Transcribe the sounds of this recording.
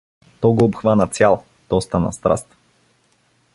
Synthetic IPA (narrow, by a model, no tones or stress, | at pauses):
t̪ɔɡoopxvanət̪sʲjalˠ | t̪ɔst̪anɐ̰st̪ɾa̰st̪